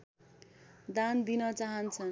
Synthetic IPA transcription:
d̪and̪inʌt͡saɦʌnt͡sʰʌ

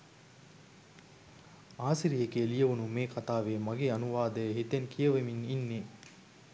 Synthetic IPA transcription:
aːsiɾijekeːlijɐʋunumeːkʰat̪aːʋeːmaɡeːanuʋaːd̪ɐjɦit̪enkʰijɐʋemininːe

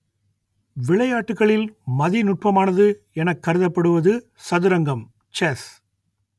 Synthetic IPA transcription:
ʋɪɭɐjaːʈːɯkːɐɭɪlmɐðinʊʈ̚pɐmaːnɐðɯ | ɛnɐkːɐɾɯðɐpːɐɽɯʋɐðɯ | sɐðɯɾɐŋɡɐm | t͡ʃɛːs

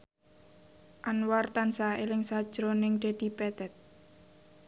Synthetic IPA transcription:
ʔanwart̪ansaelɪŋsad̥ʒ̥ɾonɪŋɖ̪̥a̤d̪̥i̤pɛt̪ɛt̪̚

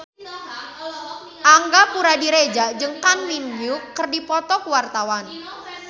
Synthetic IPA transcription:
ʔaŋɡapuɾadiɾed͡ʒad͡ʒəŋkanminjukːərdipɔt̪ɔkuwart̪awan

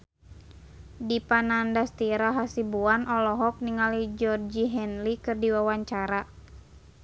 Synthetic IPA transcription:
dipanandast̪iɾaɦasibuanɔlɔɦɔk̚niŋalid͡ʒɔrd͡ʒiɦɛnlikɨrdiwawaɲt͡ʃaɾa

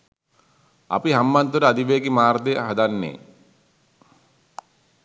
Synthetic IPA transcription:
a̰piɦamːant̪uɾəad̪iʋeːɡimaːɾd̪eɦad̪anːḛː

